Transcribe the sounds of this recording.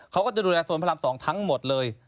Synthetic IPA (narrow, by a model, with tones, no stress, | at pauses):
kʰa˦˥wkɔː˥˩t͡ɕa˨˩duː˧lɛː˧suː˨˩˦npʰa˧la˧msɔː˩˦ŋt̪ʰa˦˥ŋmo˨˩t̪̚lɤː˧j